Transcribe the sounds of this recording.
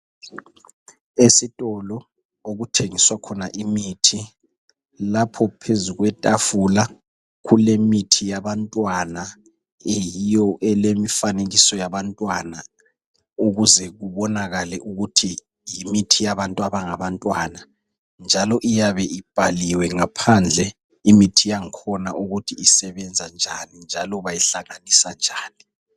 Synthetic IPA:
esitʼɔlɔ | oɣutʰeŋiswakʰɔnaʔimitʰi | lapʰɔpʰezuɣwɛtʼafula | kulemitʰijaβantʼwana | ejijɔʔɛlemifaneɣisɔjaβantʼwana | uɣuzɛɣuβɔnaɣalɛʔuɣutʰi | jimitʰijaβantʼaβaŋaβantʼwana | nd͡ʒʱalɔʔijaβɛʔib̥ʱaliwɛŋapʰand͡ɮʱɛ | imitʰijaŋkʰɔnaʔuɣutʰiisɛβɛnd͡zʱand͡ʒʱanind͡ʒʱalɔβajiɬaŋanisand͡ʒʱaːni

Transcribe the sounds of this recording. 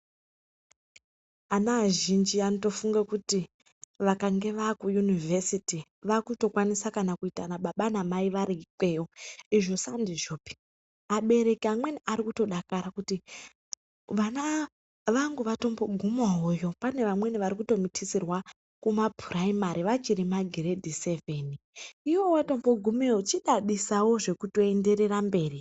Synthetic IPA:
anaːʒind͡ʒianoto̞fuŋɡakuti | ʋakaŋɡe̞ʋakujunivʱesiti | ʋakuto̞kwanisakanakuitanaɓaɓanamaiʋaɾikwe̞o̞iʐo̞sandiʐo̞ːpi̥ | aɓe̞ɾe̞kiamwe̞niʔaɾikuto̞ɗakaɾakuti | ʋana | ʋaŋɡuʋato̞mbo̞ɡʱumaɦojo̞pane̞ʋamwe̞niʋaɾikuto̞mitʰisirwa | kumabʱuraimaɾiʋat͡ʃiɾimaɡʱeɾe̞dʱise̞ve̞ːniiwo̞wato̞mbo̞ɡʱumeot͡ʃiɗaɗisawo̞ʐe̞kuto̞ende̞ɾe̞rambe̞ːri

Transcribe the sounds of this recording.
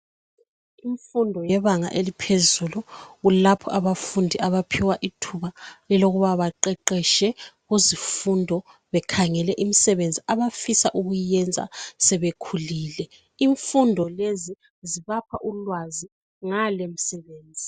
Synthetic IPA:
iɱfundʱɔjɛβaŋa̰ʔelipʰezuluɣulapʰɔʔaβafundʱiʔaβapʰiwaʔitʰuβalɛloɣuβaβaǃɛǃɛʃɛɣuzifundʱɔ | βɛkʰaŋɛlɛʔimisɛβend͡zʱiaβafisaʔuɣujɛnd͡zʱa̰sɛβekʰulilɛ | iɱfundʱɔlezi | ziβapʰaʔulwazi | ŋalem̩sɛβeːnd͡zʱi

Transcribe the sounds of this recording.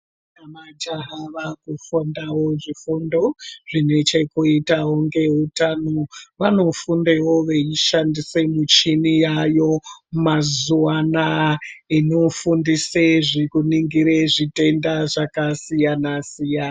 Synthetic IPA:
namad͡ʒaɦaʋakufundawo̞ʐifundo̞ʐ̥ine̞t͡ʃe̞kuitawoŋɡe̞ɦutanoʋano̞fundewo̞ʋeiʃandisemut͡ʃinijajo̞mazuanaino̞fundiseʐikuniŋɡiɾeʐite̞ndaʐakasijanasijana

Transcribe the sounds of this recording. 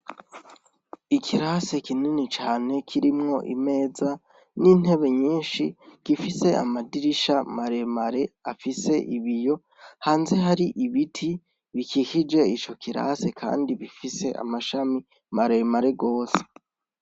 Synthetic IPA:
ikʰiɾase̞kininit͡ʃaːne̞kʰiɾimŋo̞ʔḭme̞ːza | nin̥e̞βe̞ɲiːnʃikifise̞a̰madiɾiʃamaɾe̞maɾe̞afise̞ʔiβijo̞ | haːnze̞ɦaɾiʔiβitʰi | βikikid͡ʒe̞it͡ʃo̞kʰiɾa̰se̞kʰa̰ːndiβifise̞ʔa̰maʃami | maɾe̞maɾe̞ɡo̞ːse̥

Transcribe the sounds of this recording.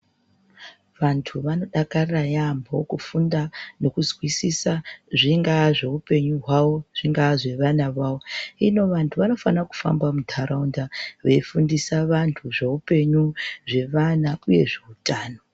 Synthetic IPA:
ʋantʰuʋano̞ɗakarajambʱo̞̰kufundano̞kuzwisisaʐiŋɡaʐe̞upe̞ɲuɦwawo̞ʐ̥iŋɡaʐe̞ʋanaʋaːwo̞ino̞ʋantʰuʋano̞fanaku̥fa̰mbwamudʱaɾaundaʋe̞ifundisaʋantʰuʐe̞upe̞ɲuʐe̞ʋanauje̞̰ʐeutaːno̞

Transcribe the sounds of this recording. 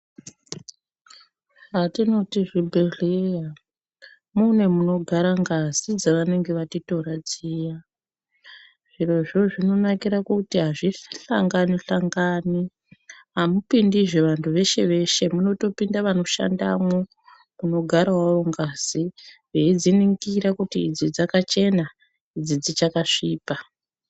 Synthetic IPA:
atino̞tiʐibʱereja | mune̞muno̞ɡʱaɾaŋɡazid͡zaʋane̞ŋɡe̞ʋatito̞rad͡ziːja | ʐ̥ire̞ʐo̞ʐino̞nakiɾakutiɦaʐiɬa̰ŋɡaniɬaŋɡaːni | ɦamupindiʐe̞ʋantʰuʋe̞ʃe̞ʋe̞ʃe̞muno̞to̞pindaʋano̞ʃa̰nda̰mo | muno̞ɡʱaɾawawo̞ŋɡaz̥iʋeid͡ziniŋɡiɾakutiːd͡zid͡zakat͡ʃe̞na | id͡zid͡zit͡ʃakaʂiːpa

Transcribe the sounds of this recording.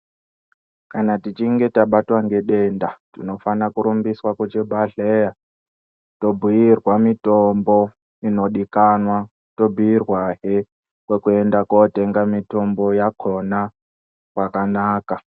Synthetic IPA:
kanatit͡ʃiŋɡe̞taɓatwaŋɡe̞ɗe̞ndatino̞fanakuɾumbiswaket͡ʃebʱaɮeja | to̞bʱujirwamitombo | ino̞ɗikanwa | to̞bʱijirwaɦe | kwekue̞ndakote̞ŋɡamito̞mbo̞jakʰo̞na | kwakanaːka

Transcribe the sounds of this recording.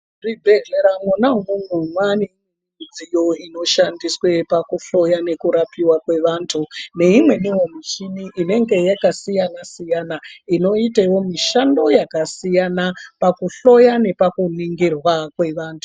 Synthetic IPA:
ribʱeɮeɾamunaŋumumwani | ud͡zijo̞ino̞ʃandiswe̞pakuɬo̞jane̞kuɾapiwakwe̞ʋaːntʰune̞imwe̞niwomit͡ʃiniʔine̞ŋɡe̞jakasijanasijanaino̞itewo̞miʃando̞jakasijanapakuɬo̞jane̞pakuniŋɡirwakwe̞ʋaːntʰu

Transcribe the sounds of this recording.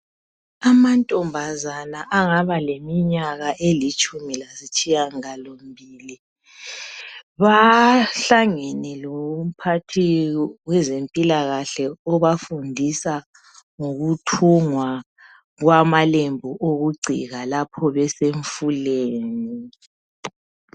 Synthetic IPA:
amantʼɔmbʱazanaʔaŋaβalemiɲaɣaʔelit͡ʃʼumilasit͡ʃʼijaŋalom̩bʱiːli | βaɬaŋenɛlɔm̩pʰatʰiwɛzempʼilaɣaɬɛɔβafundʱisa | ŋoɣutʰuŋwa | ɣwamalembʱuʔoɣuɡ͡ǀʱḭɣalapʰɔβɛseɱfuleːni

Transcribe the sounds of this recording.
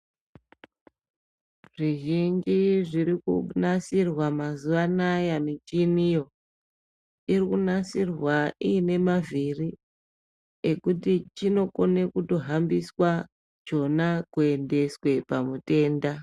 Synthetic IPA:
ʐ̥iʒind͡ʒiʐiɾikunasirwamazuʋanajamit͡ʃinijo̞ | irikunasirwaiːne̞maviri | ekutit͡ʃino̞kone̞kuto̞ɦambiswa | d͡ʒo̞nakue̞nde̞swe̞pamute̞ːnda

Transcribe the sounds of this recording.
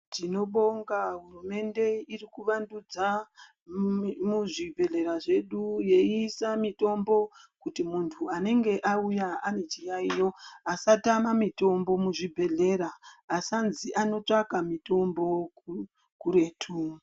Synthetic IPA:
tino̞ɓo̞ŋɡaɦurume̞nde̞irikuʋandud͡za | muʐibʱe̞ɮe̞ɾaʐe̞ɗuje̞iːsamito̞mbo̞kutimuntʰuane̞ŋɡe̞ʔaujaane̞t͡ʃijaijo̞asatamamito̞mbo̞muʐibʱe̞ɮe̞ɾaːsanziʔano̞t͡ʂakamito̞mbo̞ | kuɾe̞ːtʰu

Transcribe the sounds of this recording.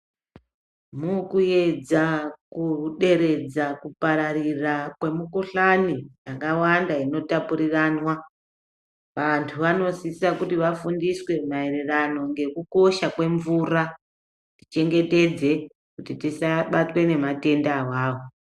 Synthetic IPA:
mukuje̞d͡zakuɗe̞ɾe̞d͡zakupaɾarirakwe̞mukuɬanijakawandaino̞tapuɾiranwa | ʋantʰuʋano̞sisakutiʋafundiswe̞mae̞rerano̞ŋɡe̞kuko̞ʃakwe̞ɱvura | ti̥t͡ʃe̞ŋɡe̞te̞d͡ze̞ | kutitisaɓatwe̞ne̞mate̞ndawaːwo

